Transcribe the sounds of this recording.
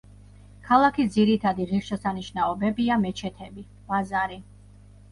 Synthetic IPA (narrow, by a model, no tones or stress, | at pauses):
kʰalˠakʰisd̪ziɾit̪ʰad̪iʁiχʃɛsaniʃnaɔbɛbiamɛt͡ʃʰɛt̪ʰɛbi | wazaɾi